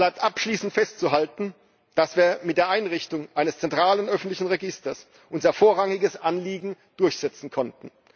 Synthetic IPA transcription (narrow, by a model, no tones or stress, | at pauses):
laɪp̚tʔapʃliːsn̩tfɛstt͡suɦaltn̩ | d̥asv̥iːɐmɪt̚d̥eːɐʔaɪnʁɪçtʊŋʔaɪnəst͡sɛntʁ̥aːlənʔœfn̩tlɪçn̩ʁeɡɪstɐs | ʔʊnzɐfoːɐʁaŋɪɡəsʔanliːɡŋ̩ | d̥ʊɐçz̥ɛt͡sn̩kʰɔntn̩